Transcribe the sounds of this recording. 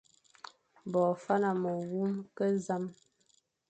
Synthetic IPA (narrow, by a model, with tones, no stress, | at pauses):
bɔː˨fa˦na˨mə˨ɣu˦mkə˦za˦m